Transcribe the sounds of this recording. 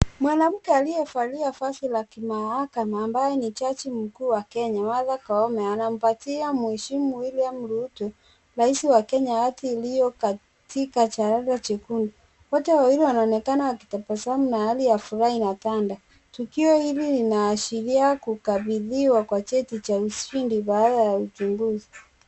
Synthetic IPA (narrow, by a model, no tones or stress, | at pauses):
mwanam̩kɛalijɛfaliafasilakimahakamaːmbaɛnit͡ʃat͡ʃim̩kuːwakɛɲamaðakaɔmɛanam̩patiamuɛʃimuilijam̩ɾutu | laisiwakɛɲawatiːlijɔka | tikat͡ʃaɾaðat͡ʃekundu | wɔtɛwawiɾiwanaɔnɛkanaaki̥tapasaamunahalijafuɾahinatanda | tukiɔhililinaːʃiɾiakukaβiðiwakwat͡ʃɛtit͡ʃausʃindiβaːðajaut͡ʃuŋɡuzi